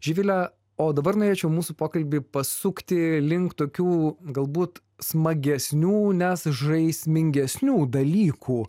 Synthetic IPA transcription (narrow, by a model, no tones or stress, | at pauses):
ʒʲiːʋʲɪlʲɛ | oːd̪ɐbɐrnoːɾʲeːt͡ʃʲɛʊmuːsuːpoːkɐlʲbʲipɐsʊkt̪ʲɪlʲɪŋkt̪oːkʲuːɡɐlˠbuːt̪ | smɐɡʲɛsʲnʲuːnʲɛsʒɐɪsʲmʲɪŋʲɡʲɛsʲnʲuːd̪ɐlʲiːkʰuː